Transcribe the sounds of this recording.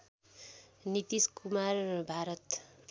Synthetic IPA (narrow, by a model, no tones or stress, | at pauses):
nit̪iskumarbʱaɾʌt̪